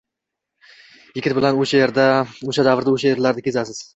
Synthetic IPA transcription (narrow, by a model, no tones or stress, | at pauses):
jɪkʲɪt̪bɪlanoʃajeɾd̪aoʃad̪avɾd̪aoʃajeɾlaɾd̪ɪkʲʰe̞zasɪz̥